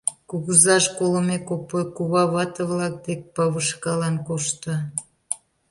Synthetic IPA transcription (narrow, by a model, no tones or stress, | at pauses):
kuɣuzɑʃkoləmekopokuβɑβɑt̪əβlɑk̚d̪ek̚pɑβəʃkɑlɑnkoʃt̪ə